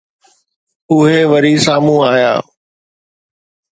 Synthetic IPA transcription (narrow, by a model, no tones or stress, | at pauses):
ʊɦeʋəɾiːsaːmũːaːja̰ː